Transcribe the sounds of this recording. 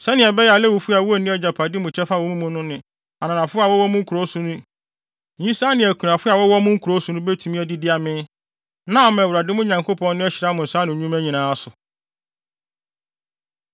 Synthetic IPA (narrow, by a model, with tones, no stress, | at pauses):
sɛ˦nɪ̃˨ɛ˨bɛ˦ja˨lɛ˦wu˨fu˦a˨wu˦o˦˨nĩ˦ɛ˦d͡ʑa˨pʰa˨dɪ˦mʊ̃˨t͡ɕʰɛ˦fa˦˨wɔ˦mũ˦mʊ̃˦nʊ̃˦nɪ̃˨ | a˨nã˨nã˨fʊ˦a˨wɔ˦wɔ˦mʊ̃˦ŋ̩˦kʰu˨ɾo˦su˨nũ˦˨ | ĩ˦sa˦nɪ̃˨æ˨kʰu˨nã˨fʊ˦a˨wɔ˦wɔ˦mʊ̃˦ŋ̩˦kʰu˨ɾo˦su˦nʊ̃˦bɛ˦tʰu˦mĩ˦æ˨di˦dɪ˦a˨mɪ̃˦ | nã˦˨mɛ̃˨wu˨ɾa˨dɪ˦mʊ̃˦ɲã˨ŋkʰo˦pʰɔ̃˦nː˦ɪ̃˦ɛ˦ɕɪ˨ɾa˦mʊ̃˨n̩˨sa˦nɪ̃˨ɲũ˦mæ˦ɲĩ˨nãː˨a˦sʊ˨